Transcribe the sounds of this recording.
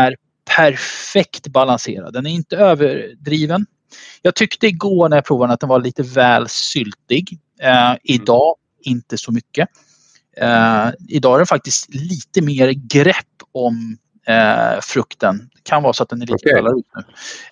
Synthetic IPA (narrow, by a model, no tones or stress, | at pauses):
æɾ | pʰæɾfɛkt̪balansḛːɾa̰d̪ːɛnæɾɪnt̪əøːvəɾɖɾiːvən | jɑːɡ̚t̪ʰʏkt̪əɪɡoːɳæɾjapʰɾuːvad̪ɛnat̪d̪ɛnvaɭiːt̪əvɛːlsʏlt̪ɪɡ | ɪd̪ɑː | ɪnt̪əsɔmʏkːə | ɪd̪ɑːæɾɖɛnfak̚t̪ɪst̪liːt̪əmeːɾɡɾɛpːɔm | fɾɵkt̪ən | kʰanvɑːɾsɔat̪d̪ɛnæɭḭːt̪əɡɛːlaɾjɵst̪nʉ̟ː